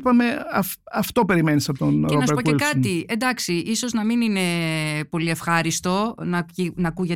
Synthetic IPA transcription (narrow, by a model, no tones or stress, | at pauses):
pɐme̞ɐf | ɐft̪o̞pe̞ɾime̞nisɐpot̪onɾonɐeɾpokelkɐɐt̪ie̞nd̪ɐksiʔiso̞znɐminine̞po̞lie̞fxɐɾist̪o̞nɐinɐkuʝe